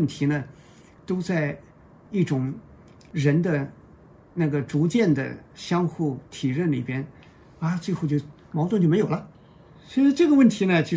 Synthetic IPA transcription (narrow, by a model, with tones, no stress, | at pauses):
nt̪ʰi˧˥nə˧ | t̪o˥ʊt͡sa˥˧ɪ | i˥˩ʈ͡ʂʊ˨˩˦ŋ | ɻə˧˥nd̪ə˧ | na˥˩ɡə˩ʈ͡ʂu˧˥t͡ɕjɛ˥˩nd̪ə̰˩ɕjɑ˥ŋxu˥˩t̪ʰi˨˩ɻə˥˩nlḭ˨˩pjɛ˥n | a˥˧t͡swxo˥˧t͡ɕjo˥˩ʊ | mɑ˧˥t̪wt͡ɕo˥˩me˧˥o˨˩ʊlɐ˦ | swɛ˥ʂ̩˥˧ʈ͡ʂɤ˥˩ɡə˩wə˥˩nt̪ʰi˧˥nə˧t͡ɕi˧˥